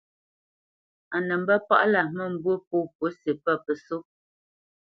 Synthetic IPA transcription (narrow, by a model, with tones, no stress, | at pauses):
a˨nə˨m̩˦bə˦pa̰˦ʔla˨mə˦˨m̩˨bwo˦˨p̚o˦˨po˨˦se˨pə˦˨pə˨so˦